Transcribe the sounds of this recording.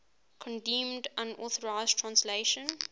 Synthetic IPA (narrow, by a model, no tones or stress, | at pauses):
kʰɔ̃ndɛ̃mdãnɔθəɹaɪztʰɹãnsleʃə̃n